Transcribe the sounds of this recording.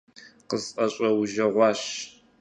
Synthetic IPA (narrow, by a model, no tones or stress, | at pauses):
qəzʔɐɕʼɐwʒɐʁʷɑːɕ